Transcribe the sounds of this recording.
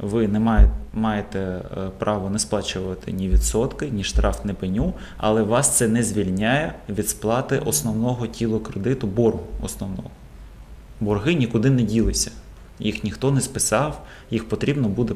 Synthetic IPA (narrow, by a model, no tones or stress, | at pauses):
ʋɪnɛmɑjmɑjet̪ɛpɾʔɑʋɔnɛsplˠɑt͡ʃʊʋɐt̪ɪ̰nʲiʋʲid̪sɔt̪kɪnʲiʃt̪ɾɑft̪nɛpɪnʲu | ɐ̰lˠɛʋɑst̪sɛnɛzʲʋʲilʲnʲajɛʋʲid̪splˠɑt̪ɪʔɔsnɔwnɔɦɔtʲilˠʊkɾed̪ɪt̪ʊbɔrɦʊɔ̰snɔwnɔ̰ɦɔ | bɔrɦɪnʲikʊd̪ɪnɛdʲilˠɪsʲɐ̥ | jixnʲixt̪ɔnɛspɪsɑw | jixpɔt̪ɾʲibnɔbud̪ɛ